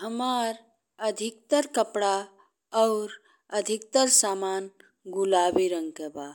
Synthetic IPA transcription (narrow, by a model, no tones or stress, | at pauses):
ɦəmaːɾ | əd̪ʱɪk̚t̪əɾkəpɽa | ɔːɾ | əd̪ʱik̚t̪əɾsaːmaːn | ɡulaːbiɾə̃ŋɡkebaː